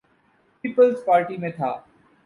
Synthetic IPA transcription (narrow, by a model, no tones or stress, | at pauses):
piːpəlzpaːɾʈimẽt̪ʰaː